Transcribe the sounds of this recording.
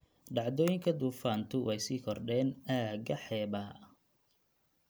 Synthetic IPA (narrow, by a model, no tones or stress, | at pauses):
ɖɑʕd̪ɔːjɪŋkʰɐd̪uːfaːnt̪ʰʊwʔɛjsiːkʰɔrɖɛːnaːɡɐħɛːbaː